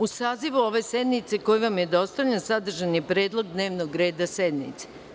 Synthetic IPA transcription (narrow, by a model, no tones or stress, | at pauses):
usaːziʋuo̞ʋe̞sed̪nit̪se̞ko̞jiʋamjed̪o̞st̪aʋʎansad̪r̩ʒanjepɾe̞ːd̪lˠo̞ɡd̪ne̞ːʋnoɡɾe̞ːd̪ased̪nḭt̪se̥